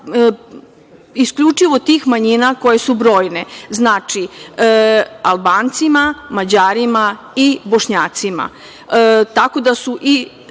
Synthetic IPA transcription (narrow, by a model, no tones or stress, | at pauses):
iskʎut͡ʃiʋo̞t̪iːxmaɲinako̞je̞subɾo̞ːjneznat͡ʃi | alˠbaːnt̪simamad͡ʑaːɾima | ibo̞ʃɲaːt̪sima̰ | t̪ako̞d̪asuʔi